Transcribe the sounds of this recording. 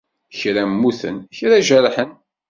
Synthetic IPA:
çɾæmːuθə̰nçɾaʒæɾħən

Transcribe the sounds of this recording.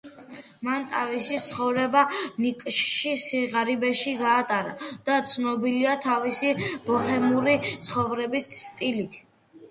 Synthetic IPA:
mant̪ʼʰavisit̪sχɔvɾɛbanikʼʃʃisiʁaɾibɛʃiɡaːt̪ʼaɾa̰d̪̥at̪sʰnɔbiliat̪ʰavisib̥ɔχɛmuɾit̪sʰχɔvɾɛbissʰt̪ʼilit̪ʰ

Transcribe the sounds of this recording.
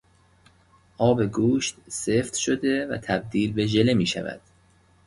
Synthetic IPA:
ʔɒːbe̞ɡuːʃt̪seːft̪ʃod̪evæ̰t̪ʰæb̚d̪iːlbe̞ʒe̞le̞miːʃæ̰væ̰d̪̥

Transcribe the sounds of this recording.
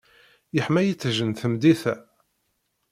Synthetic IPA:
jəħmæjit͡sːʒənθəmd̪iθæ

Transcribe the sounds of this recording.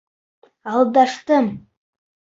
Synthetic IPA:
aldaʂtɨm

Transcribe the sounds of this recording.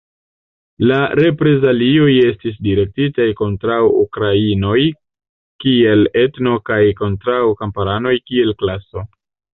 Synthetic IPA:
laɾe̞pɾe̞zalio̞je̞stis̬diɾe̞k̚titajko̞ntɾawukɾaino̞j | kie̞le̞tno̞kajko̞ntɾawkampaɾano̞jkie̞lklaso̞

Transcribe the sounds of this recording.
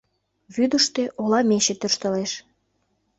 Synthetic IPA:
βyd̪əʃt̪eʔolɑmeɕĕt̪øʃt̪ə̆leʃ

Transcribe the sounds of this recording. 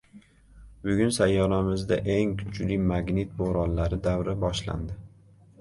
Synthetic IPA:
bʊɡʲʊnsajːɒɾamɪzd̪a̰ʔeŋkʰʊ̥t͡ʃlimaɡnet̪̚boɾɒnlaɾɪd̪awɾabɒʃla̰nd̪ɪ

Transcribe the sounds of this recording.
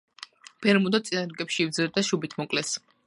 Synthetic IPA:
b̥ɛɾmud̪at̪sʼinaɾɡɛpʃiːvd̪zɛɾd̪aʃubit̪ʰmɔkʼlɛs

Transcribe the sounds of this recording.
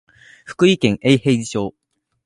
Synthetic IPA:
ɸɯ̟̥kɯ̟ikẽ̞ŋʔeihe̞id͡ʑiɕo̞ː

